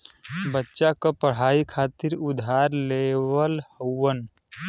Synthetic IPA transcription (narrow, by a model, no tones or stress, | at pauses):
bətːʃakəpəɽ̤aikʰat̪iɾud̪ʱaɾlewəlhəːən